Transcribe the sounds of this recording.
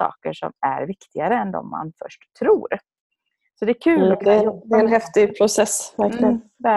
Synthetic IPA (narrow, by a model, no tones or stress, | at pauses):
ɑ̰ːkəʂɔ̰mæɾvɪkt̪ɪɡaɾəɛnd̪ɔ̰mːa̰nfœʂʈt̪ʰːɾuːɾ | sɔd̪ɛːɾkʰʉ̟ːlɔk̪ɛɛnɦɛft̪ɪpʰɾʊsɛsːvæɾklɪənd̪ɛ